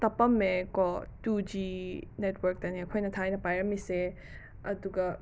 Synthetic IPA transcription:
t̪ɐpɐmːekɔtud͡ʒinetʰwɐɾk̚tɐniɐkʰojnɐtʰajnɐpajɾɐmise | ɐduɡɐ

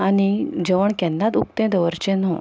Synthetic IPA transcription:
anid͡ʑəʋəɳkɛ̃nd̪ãt̪uk̚t̪ɛ̃d̪əʋəɾt͡ɕɛ̃nɔ̃

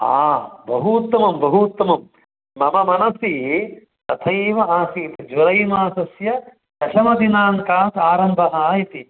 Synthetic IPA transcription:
a̰ːbʱɐɦuːt̪ːɐmɐmbʱɐɦuːt̪ːɐmɐm | mɐmɐmɐnɐsi | t̪ɐt̪ʰɐjʋɐaːsiːt̪ɐd͡ʒʋɐɾɐjmaːsɐsjɐ | t̪ɐʃɐmɐd̪inaːŋkaːt̪aːɾɐmbʱɐɦɐaːjit̪i

